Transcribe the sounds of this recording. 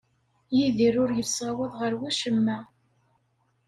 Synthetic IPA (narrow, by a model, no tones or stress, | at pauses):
jiðiɾʊɾjəlsæwəðˤʁəɾwæʃəmːæ